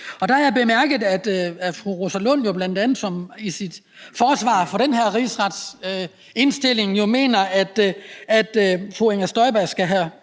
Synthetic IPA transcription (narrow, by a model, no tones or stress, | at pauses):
ɒ̽d̥ɑæjb̥e̝mæɐ̰ɡ̥ð̩ˠæd̥æfʁuʁosælɔnjo̝b̥lænd̥ænð̩ˠsɒ̽misid̥ | fɒːsʋɑ̰̈ːfɒ̽ɾ̥enɦeɐ̰ʁḭsʁɑd̥s | e̝nsd̥e̝l̰e̝ŋjo̝me̝̰ːnɐæd̥æd̥fʁueŋæsd̥ɒ̽ɪb̥æsɡ̥æɦæ